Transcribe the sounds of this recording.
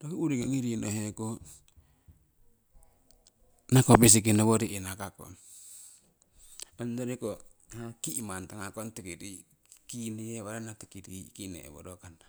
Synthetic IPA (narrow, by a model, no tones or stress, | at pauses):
dokiuɾiŋaŋiɾinoɦeko | nakopes̬ik̬inaβoɾienakako̰n | mandoɾeko | akimant̪aŋakontekiɾi | kineeβaɾanat̪ekidikinḛḛβo̰ɾokana